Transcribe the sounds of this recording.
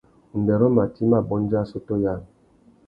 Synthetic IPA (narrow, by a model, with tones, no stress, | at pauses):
u˨n˨dɛ˨ɾɔ˦ma˨ti˦ma˦˨bɔ˦n˦d͡ʒa˦˨so˦to˦ja˦˨l